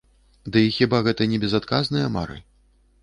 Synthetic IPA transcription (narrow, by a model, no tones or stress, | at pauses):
d̪ɨixʲibaɣɛt̪ɐnʲɛbʲɛzat̪kaznɨjɐma̰ɾɨ̰